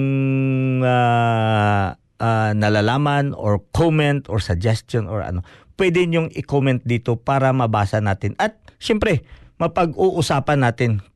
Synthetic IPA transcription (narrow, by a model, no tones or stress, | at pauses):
ŋ | a | ʔanɐlalaːmɐno̰ɹkomɛnt̪oɹsɐd͡ʒɛst̪jonʔo̰ɹɐ̰no̞pwɛːd̪ɪɲʊŋʔɪkomɛnt̪̚d̪iːt̪o̞paːɾɐmɐbaːsɐnaːt̪ɪnʔɐt̪̚ʃɛmpɾɛmɐpɐɡuʔʊsaːpɐnːaːt̪ɪn